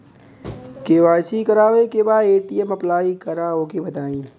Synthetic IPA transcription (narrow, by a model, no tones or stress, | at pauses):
keːʋaːsikəɾaːʋekebaːd̪eːʈijemɐplaːikəɾaːokebɐt̪aːĩː